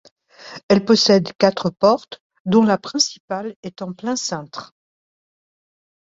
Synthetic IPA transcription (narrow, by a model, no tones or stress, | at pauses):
ɛlpɔsɛd̪kʲat̪χəpɔʁt̪ | d̪ɔ̃lapχɛ̃si̥palɛt̪ɑ̃plɛ̃sɛ̃t̪χ